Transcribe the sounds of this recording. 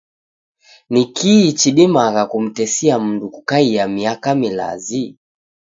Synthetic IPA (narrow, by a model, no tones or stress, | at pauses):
nikʰiːt͡ʃiɗimaɣakum̩tɛsiam̩ndukukaiamiakamila̰zi